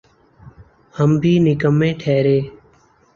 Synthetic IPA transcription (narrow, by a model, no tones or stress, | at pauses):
həmbʱiːnɪkəmːẽːʈʰeːɾeː